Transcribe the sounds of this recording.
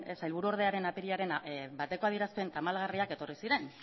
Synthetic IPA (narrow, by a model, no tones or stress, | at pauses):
sajlβ̞uɾuo̞ɾð̞e̞aɾe̞napeɾiaɾe̞nbat̪e̞ko̞aðieɾaspe̞nt̪amalɣariake̞t̪o̞risiɾe̞n